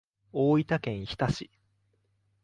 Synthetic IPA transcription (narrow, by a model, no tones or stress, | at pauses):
oːit̪akẽ̞ɰ̃çi̥t̪aɕi